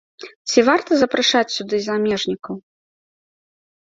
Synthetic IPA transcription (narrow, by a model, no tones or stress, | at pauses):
t͡sʲivart̪ɐzɐpɾaʂat͡sʲsʲud̪ɨzamʲɛʐnʲikɐw